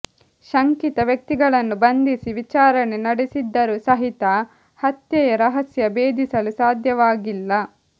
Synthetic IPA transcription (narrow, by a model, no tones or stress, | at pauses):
ʃɐŋkit̪ɐʋjɐk̚t̪iɡɐɭɐnːubɐnd̪isiʋit͡ʃaːɾɐnenɐɽesid̪ːɐɾusɐɦit̪ɐ | hɐt̪jɐjɐɾɐɦɐsjɐbeːd̪ʱisɐlusaːd̪ʱjɐʋaːɡilːɐ